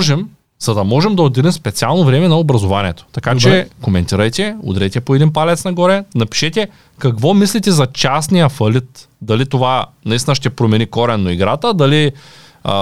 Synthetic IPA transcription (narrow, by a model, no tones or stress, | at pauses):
ʒɛm | z̥ɐd̪ɐmɔʒɛmd̪ɐod̪iɾimspɛt̪sialˠnovɾɛmɛnɐobɾɐzovaniɛt̪o̥t̪ɐkat͡ʃɛkomɛnt̪iɾɐjt̪ɛʊ̰d̪ɾɛjt̪ɛpoɛd̪inpalɛt̪snɐɡɔɾɛnɐpi̥ʃɛt̪ʲɛ | kɐkvɔmislit̪ɛzɐt͡ʃasnijɐfɐlʲit̪d̪ɐlit̪ovanɐist̪ʲinəʃt̪ɛpɾomɛnikɔɾɛnːoiɡɾat̪əd̪ɐlḭ